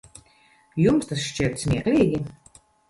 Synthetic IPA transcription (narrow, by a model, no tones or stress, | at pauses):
jumst̪asʃt͡ʃiɾt̪smʲiɛklʲiːɡʲi